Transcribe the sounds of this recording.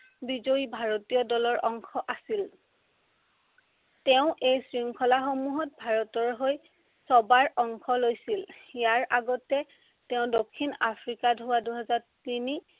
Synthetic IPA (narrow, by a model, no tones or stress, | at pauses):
bizoibʱaɹɔtiɔdɔlɔɹʔɔŋkʰɔʔasil | tɛʊ̃ʔejsɹiŋkʰɔlaxomuɦɔt̚bʱaɹɔtɔɹɦoj | sɔbaɹʔɔŋkʰɔlojsiljaɹaɡɔtɛ | tɛʊ̃dokʰːinapʰɹikadʱʊwaduɦɛzaɹtini